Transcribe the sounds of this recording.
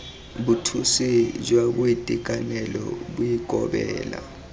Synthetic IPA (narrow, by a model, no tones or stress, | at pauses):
ɓutʰusid͡ʒwaɓuitʼikʼanɛlɔɓujiɡʱɔɓɛ̰ːla̰